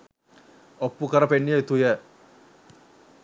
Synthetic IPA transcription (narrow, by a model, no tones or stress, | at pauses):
opːukəɾəpenːijət̪ujɛ